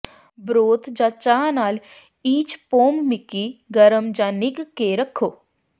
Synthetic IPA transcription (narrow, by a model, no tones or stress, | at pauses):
bɾoːt̪d͡ʒat͡ʃaːnaːl | iːt͡ʃpoːmːɪkiɡəɾəmd͡ʒaːnɪkːeɾəkʰːoː